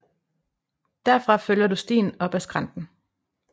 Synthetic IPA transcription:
d̥æɐfʁɑ̈føljɐdusd̥ḭːn̩ɒ̽b̥æsɡ̥ʁɑ̈nd̥n̩

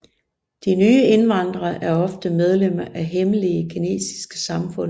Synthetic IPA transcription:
d̥inyːəe̝nʋɑ̈nd̥ʁɐʔæɐɒ̽fd̥əmeð̞ˠlem̰ɐʔæɦeməliəkʰine̝̰ːsi̥sɡ̥ə̥sɑ̈mfɔ̽n̰

